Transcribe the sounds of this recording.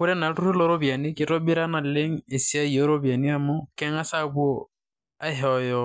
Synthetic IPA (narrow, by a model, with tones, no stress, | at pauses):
kʊ˦ɾɛ˦na˨tu˦ɾu˦lɔ˦ɾo˦bja˨nɪ˦kɪ˨tɔ˦bi˦ɾa˦na˨le˦ŋ̩˦e˨si˦a˦i˨o˦ɾo˦bia˨ni˦a˦mɔ˦kɛ˦ŋa˦sa˦bu˦ɔ˦ | a˦ɦɔ˦jɔ˦